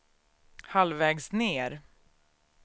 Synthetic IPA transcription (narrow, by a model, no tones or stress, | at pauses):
halvɛːɡsneːɾ